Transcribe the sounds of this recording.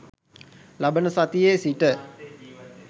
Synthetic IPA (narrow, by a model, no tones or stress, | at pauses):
labənəsat̪ijeːsiʈə